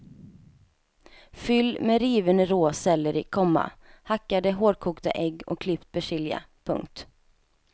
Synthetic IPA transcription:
fʏlːmeɾiːvənəɾoːsɛlːəɾɪkʰɔmːa̰hakːad̪əɦoːɖkʰuːkt̪a̰ʔɛɡːɔ̰kʰːlɪpt̪̚bɛʂɪlja̰ | pʰɵ̰ŋk̚t̪

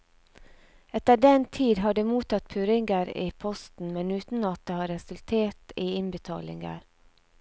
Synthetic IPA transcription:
ɛt̪əɖɛnt̪ʰiːd̪ɦɑːɖeːmuːt̪ɑt̪̚pʰʉɾɪŋɡəɾiːpʰɔst̪n̩mɛnʉːt̪n̩ɑt̪̚d̪eːhɑːɾɛsʉlt̪ʰeːʈiːɪnbət̪ʰɑ̰ːlɪ̰ŋɡə̰ɾ

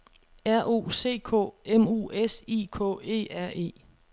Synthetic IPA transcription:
æɐ̰ʔo̝̰ːse̝̰ːkʰɔ̰̽ːemṵːʔesikʰɔ̰ːe̝̰ːæɐ̰e̝̰ː

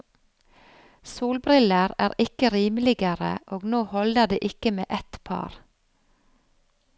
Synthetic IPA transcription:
suːlbɾɪləɾæːɾɪkəɾiːmlɪɡəɾə̰ʔoːɡnoːhɔld̪əd̪ḛːʔɪkəmḛːʔɛt̪pʰɑ̰ːɾ

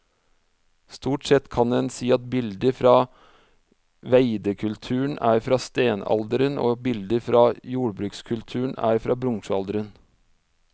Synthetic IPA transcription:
st̪uːʈsɛt̪kʰɑnd̪ɛnsiːɑt̪̚bɪld̪əɾfɾɑː | ʋæɪd̪əkʰʉlt̪ʰʉːəɳʔæːɾfɾɑːst̪eːnɑ̰ld̪əɾəno̰ːbɪld̪əɾfɾɑːjuːɽbɾʉːkskʰʉlt̪ʰʉːɳ̩æ̰ːɾfɾɑːbɾʊŋʂɑld̪əɾən

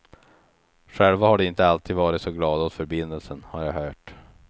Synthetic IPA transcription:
ɧɛlvahaɖɛɪnt̪əalt̪ʰiːd̪vɑːɾɪt̪sɔɡlɑːd̪ɔt̪fœɾbɪnd̪əlsənhaɾjaɦœːʈ

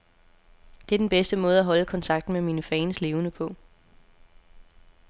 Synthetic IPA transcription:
d̥e̝æɐd̥enb̥esd̥əmɔ̽ːð̞ˠæɦɒ̽ləkʰɒ̽nt͡sʰɑ̈ɡ̥d̥n̩memiːnəfɛːnsle̝ːʊnəpʰɒ̽

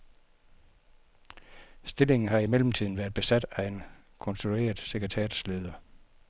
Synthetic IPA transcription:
sd̥e̝le̝ŋn̩ɦɑ̈imel̰m̩t͡sʰið̞̰ˠn̩ʋæːɐðˠb̥e̝sæd̥æe̝n | kʰɔ̽nsd̥ʰue̝̰ːɐðˠseɡ̥ʁit͡sʰɛ̰ːd̥sle̝ːð̞ˠɐ

